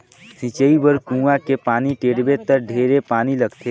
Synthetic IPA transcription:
sĩt͡ʃəibəɾkũːʋakepaːniʈeːɽbet̪əɾɖʱeːɾepaːnilɐɡt̪ʰe

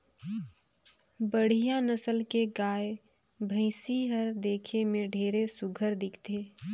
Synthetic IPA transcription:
bəɽ̤ijanəsəlkeɡaːe | bʱə̃ɪsiɦəɾd̪eːkʰemẽɖʱeːɾesʊɡʱəɾd̪ɪkʰt̪eː

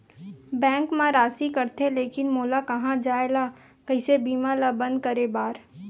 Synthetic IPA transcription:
bɛ̃ːŋkmãɾaːsikɐɾt̪eleːkɪnmoːlakɐɦãd͡ʒaːela | kɐɪsebiːmalabɐ̃nd̪̚kɐɾebaːɾ

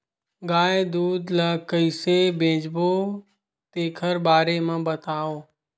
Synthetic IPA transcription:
ɡaːed̪uːd̪laːkəisebʱẽːd͡ʒboː | t̪eːkʰəɾbaːɾemãːbət̪aːoː

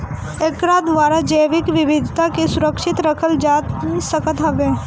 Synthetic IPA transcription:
ekɾad̪ʋaːɾad͡ʒəjʋɪkʋɪʋɪd̪ʱt̪akesʊɾəkʃɪt̪ɾəkʰəld͡ʒaːt̪səkət̪ɦɐbeː

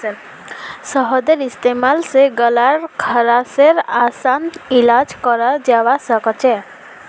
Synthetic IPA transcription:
sɔɦɔd̪eɾist̪emalseɡɔlaɾkʰɔɾaseɾasanilad͡ʒkɔɾad͡ʒawasɔkɔt͡ʃʰe

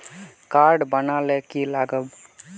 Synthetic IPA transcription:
kaɾɖbənalekilaɡəb

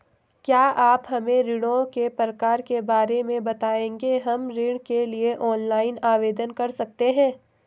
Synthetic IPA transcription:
kjaːʔaːpɦɐmẽɾɪɽõkepɾɐkaːɾkebaːɾemẽbɐt̪aːẽːŋɡeɦɐmɾɪɽkelieʔɔːnlaːɪnaːʋeːd̪ənkɐɾsɐk̚t̪eɦɛ̃ː

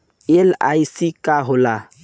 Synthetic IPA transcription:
ela̰isikaɦola

